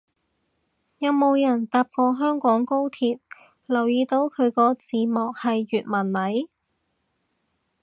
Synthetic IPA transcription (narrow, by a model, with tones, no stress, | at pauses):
jɐ˨˧wmo˨˧wjɐ˨˩nt̪aː˨˧p̚kɔː˧ɦœː˥ŋkɔː˨˥ŋko˥wt̪ʰiː˧t̚ | lɐ˨˩wjiː˨˧t̪o˨˥wkʰɵ˨˧ɥkɔː˧t͡siː˨˧mɔː˨k̚hɐ˨jːyː˨t̚mɐ˨˩nmɐ˨˥j